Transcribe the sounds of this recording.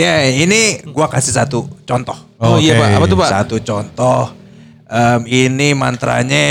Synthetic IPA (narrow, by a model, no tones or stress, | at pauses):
jainiɡuakasihsat̪ut͡ʃɔnt̪ɔh | ojabaapat̪ubasa̰t̪ut͡ʃɔnt̪ɔh | ʔəminima̰nt̪ɾa̰ɲa